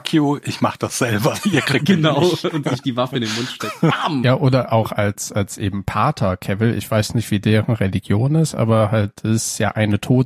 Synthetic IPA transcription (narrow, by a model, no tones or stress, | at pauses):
kʰjoʔɪçmaχəd̥asz̥ɛlbɐiːɐkʁ̥iɡ̚ɡ̥ənaʊʊntz̥ɪçd̥iːvafəɪndeːnmʊntʃtɛamjaːʔoːdɐʔaʊxalsalsʔeːbm̩pʰaːtʰɐkʰɛvl̩ʔɪ̰çv̥aɪsnɪçtv̥iːdeːʁənʁɛliɡjoːnɪstʔa̰ːbɐhalt̚ɪsja̰ːʔaɪnətʰoːt